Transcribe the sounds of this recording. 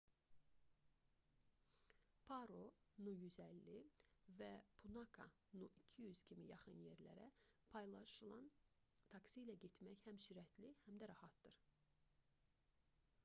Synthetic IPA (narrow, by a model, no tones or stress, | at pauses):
pʰɑɾonujyzælːivæpʰunɑkʰɑ̰ | nuʔicʰijyz̥cʰimijɑχɯnje̞ɾlæ̰ɾæpʰɑjlˠɑʃɯlˠɑn | t̪ʰɑksilæɟet̪mæçhæmsyɾæt̪lihæmd̪æɾɑhɑt̪̚d̪̥ɯɾ